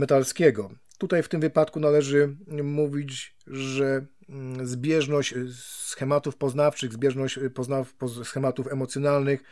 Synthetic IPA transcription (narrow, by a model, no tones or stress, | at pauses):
mɛt̪alskʲɛɡɔ | t̪ut̪ajft̪ɘmvɘpat̪kunalɛʐɘmuvʲit͡ɕʐɛ | zbʲjɛʐnɔɕsxɛmat̪ufpɔznaft͡ʂɘɣzbʲjɛʐnɔɕt͡ɕpɔznaɔsxɛmat̪ufɛmɔt̪sʲjɔnalnɘx